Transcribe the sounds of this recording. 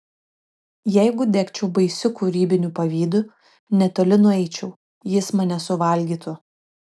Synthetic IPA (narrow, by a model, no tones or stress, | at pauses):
jɛɪɡʊd̪ʲɛkt͡ʃʲɛʊbɐɪsʲʊkuɾʲiːbʲɪnʲupɐʋʲiːd̪ʊ | nʲɛt̪oːlʲɪnʊɛɪt͡ʃʲɛʊ | jɪsmɐnʲɛsʊʋɐlʲɡʲiːt̪ʊ